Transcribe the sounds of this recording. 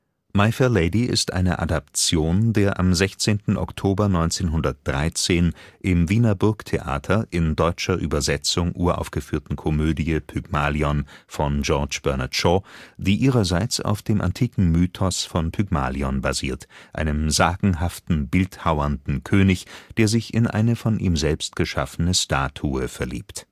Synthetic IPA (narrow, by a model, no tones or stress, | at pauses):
maɪfɛleɪdiɪ̰stʔa̰ɪnə̰ʔa̰dap̚t͡sjoːndeːɐʔamzɛçt͡seːntn̩ʔɔ̰ktʰoːbɐnɔʏnt͡seːnɦʊndɐt̚d̥ʁaɪt͡seːnʔɪmviːnɐbʊɐktʰeʔa̰ːtʰɐʔɪndɔʏt͡ʃɐʔyːbɐzɛt͡sʊŋʔuːɐʔa̰ʊfɡ̥əfyːɐtn̩kʰɔmøːdiəpʰyɡ̥maːliɔnfɔnd͡ʒɔɐt͡ʃb̥ɛɐnatʃɔd̥iːʔiːʁɐzaɪt͡sa̰ʊfd̥eːmʔa̰ntʰiːkŋ̩myːtʰɔsfɔnpʰyɡma̰ːliɔnbaziːɐtʔa̰ɪnəmzaːɡ̥ŋ̩ɦaftn̩bɪlthaʊɐndn̩kʰøːnɪçd̥eːɐzɪçɪnʔa̰ɪnəfɔnʔiːmzɛlpst̚ɡ̥əʃa̰fənəʃtaːtʰuəfɛɐlḭːpt